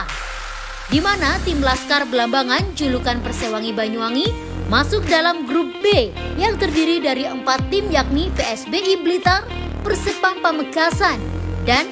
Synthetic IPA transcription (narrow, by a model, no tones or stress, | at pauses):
dimanat̪ɪmlaskarbəlambaŋant͡ʃulukanpərsewaŋibaɲuaŋi | masʊk̚dalamɡɾup̚be | jaŋt̪ərdiɾidaɾiəmpat̪ːɪmjak̚nipeɛsbeʔiblit̪ar | pərsəpampəməɡasandan